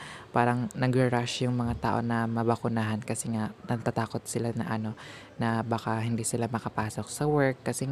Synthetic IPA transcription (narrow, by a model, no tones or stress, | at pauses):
paːɾɐŋnɐɡɾɐɾaʃjʊŋmɐŋat̪a̰ːʔo̞̰nɐmɐbɐkʊnaːɦɐnkɐsɛŋanɐɡ̚t̪at̪aːko̞t̪̚sɪlanɐ̰ʔɐno̞ | nɐbakaɦɪnd̪isɪlamɐkɐpaːsok̚sɐwɛɹkːɐsɛŋ